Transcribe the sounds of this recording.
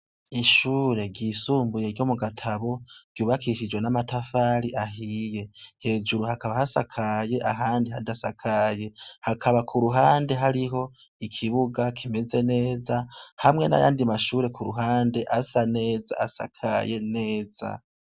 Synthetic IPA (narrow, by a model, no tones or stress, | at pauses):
iʃuːɾe̞ɡɟiːsuːmbuje̞ɾɟo̞muɡatʰaβo̞ɡ̥juːβakʰiʃid͡ʒwe̞namatafaːɾiʔaɦije̞he̞ːd͡ʒuɾuhakaβahasa̰kʰaje̞ʔaɦaːndiɦadasakʰaje̞hakʰaβakʰuɾuɦaːnde̞ɦaɾiɦo̞ | ikʰiβuɡakʰime̞ze̞ne̞ːzahamŋe̞na̰ja̰ːndimaʃuːɾe̞kʰuɾuɦaːnde̞ʔasane̞ːza̰asa̰kʰa̰je̞ne̞ːz̥a̰